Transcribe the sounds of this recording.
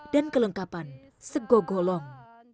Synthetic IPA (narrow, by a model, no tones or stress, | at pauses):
d̥ankələŋkapan | səɡoɡolɔŋ